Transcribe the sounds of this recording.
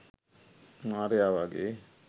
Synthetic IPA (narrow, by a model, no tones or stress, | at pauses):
maɾeaʋaɡḛ